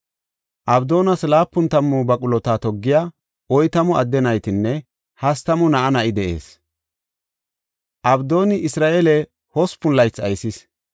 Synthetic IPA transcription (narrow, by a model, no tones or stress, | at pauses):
ʔɐbd̪o̞ːnɐslaːpːʊnt̪ɐmːɔbɐkʼʊlɔt̪aːt̪ɔɡːɪjaː | ʔɔjt̪ɐmɔɐd̪ːɛnɐjt̪ɪnːɛ | hɐst̪ɐmɔnɐʔɐnɐʔɪd̪ɛʔe̞̰ːs | ʔɐbd̪o̞ːnɪʔɪsɾaːʔelɛ | hɔspʊlːɐjt͡sːɐjsɪs